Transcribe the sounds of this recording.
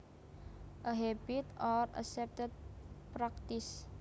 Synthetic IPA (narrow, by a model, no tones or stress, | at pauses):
ʔəɦɛbit̪ɔɾa̰sɛp̚t̪ət̪̚pɾakt̪is